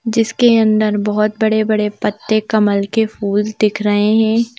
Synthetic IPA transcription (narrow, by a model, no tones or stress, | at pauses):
d͡ʒɪskeɐ̃nd̪əɾbɔɦɔt̪̚bɐɽebɐɽepət̪ːekɐməlkefuːld̪ɪkʰɾɐɦeɦɛ̃ː